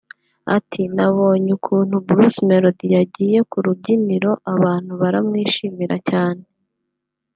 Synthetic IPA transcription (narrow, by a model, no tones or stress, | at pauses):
a̰tʰinaβo̞ːɲukʰuːn̥hubuɾusmeɾodijaɟiːje̞kuɾubɟiniɾo̞ʔaβaːn̥huβaɾamŋiːʃiːmiɾʔacaːne̞